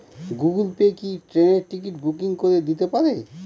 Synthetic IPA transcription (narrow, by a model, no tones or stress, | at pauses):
ɡuɡulpekiʈɾeneɾʈikiʈbʱukiŋkoɾed̪it̪epaɾe